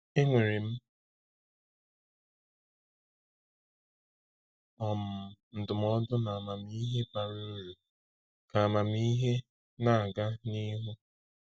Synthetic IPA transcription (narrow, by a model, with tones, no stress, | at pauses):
e˦ŋʷe˨ɾe˨m̩˦ | ɔ˨m̩˨n̩˨dʊ˨m˦ɔ˦dʊ˦na˨a˨ma˨m˦i˦ɦe˦ba˨ɾo˦ɾu˨ | ka˨a˨ma˨m˦i˦ɦe˦ | na˦a˨ɡa˦ni˦ɦu˦